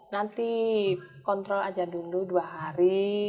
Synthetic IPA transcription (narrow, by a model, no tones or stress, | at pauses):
nant̪i | kɔnt̪ɾɔlad͡ʒaduluduaɦaɾi